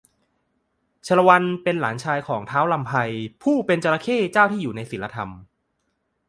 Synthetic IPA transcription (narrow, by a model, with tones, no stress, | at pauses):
t͡ɕʰa˧la˧wa˧npe˧nla̰ː˩˦nt͡ɕʰaː˧jkʰɔː˩˦ŋt̪ʰaː˦˥wla˧mpʰa˧jpʰuː˥˩pe˧nt͡ɕa˧ɾa˧kʰeː˥˩t͡ɕaː˥˩wt̪ʰiː˥˩juː˨˩na˧jsi˩˦la˧t̪ʰa˧m